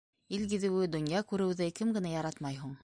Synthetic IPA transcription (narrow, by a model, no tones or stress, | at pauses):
ilɡɘ̆ðɘ̆wɘd̪ŏnjɑkʉɾɘ̆wðɘkɘmɡɘ̆næjɑɾɑt̪mɑjɦuɴ